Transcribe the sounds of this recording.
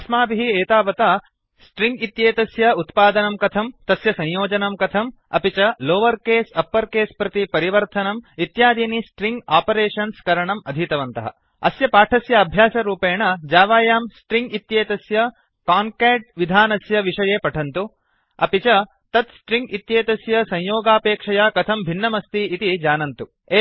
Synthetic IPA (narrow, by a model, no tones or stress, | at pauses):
ɐsmaːbiɦieːt̪aːʋɐt̪ɐ | sʈɾiŋɡit̪jeːt̪ɐsjɐut̪paːd̪ɐnɐmkɐt̪ʰɐmt̪ɐsjɐsɐ̃ɲjoːd͡ʒɐnɐmkɐt̪ʰɐm | ɐpit͡ʃɐloːʋɐɾkeːsɐpːɐɾkeːspɾɐt̪ipɐɾiʋɐɾt̪ʰɐnɐmit̪jaːd̪iːnisʈɾiŋɡaːpɐɾeːʂɐnskɐɾɐɳɐmɐd̪ʱit̪ɐʋɐnt̪ɐɦɐ̰ | ɐsjɐpaːʈʰɐsjɐːbʱjaːsɐɾuːpeːɳɐd͡ʒaːʋaːjaːmsʈɾiŋɡit̪jeːt̪ɐsjɐ | kaːŋkeːʈ̚ʋid̪ʱaːnɐsjɐʋiʂɐjeːpɐʈʰɐnt̪u | ɐ̰pit͡ʃɐ | t̪ɐt̪sʈɾĩŋɡit̪jeːt̪ɐsjɐsɐ̃ɲjoːɡaːpeːkʂɐjaːkɐt̪ʰɐmbʱinːɐmɐst̪iːt̪id͡ʒaːnɐnt̪u | e